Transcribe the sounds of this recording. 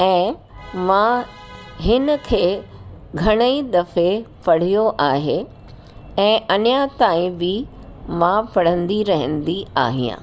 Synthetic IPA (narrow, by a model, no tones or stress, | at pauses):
ɛ̃ː | mã | ɦɪnə̆kʰeːɡʱɐɽ̃əid̪ɐfepɐɽ̤ijoʔaːɦe | ɛ̃ːʔɐnjat̪aːĩbɪ | mãpɐɽ̤ə̃nd̪iɾɐɦə̃nd̪ia̰ːɦijã̰ː